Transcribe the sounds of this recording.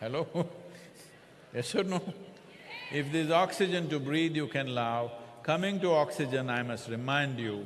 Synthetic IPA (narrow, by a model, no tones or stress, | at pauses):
hɛlo | ɛʃʊɖnoː | ɪfd̪ɪzɔːksɪd͡ʒə̃nʈubɾiːd̪jukɛ̃nlaʊkʌmɪ̃ŋʈuɔːksɪd͡ʒə̃naɪmɐsʈɾɪmãɪ̃ɳɖjuː